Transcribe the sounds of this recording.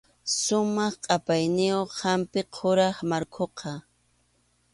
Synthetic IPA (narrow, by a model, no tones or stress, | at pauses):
sʊmɑχqʼɑpajnɪjoχːampɪqʰoɾɑχmaɾkʰoqʰɑ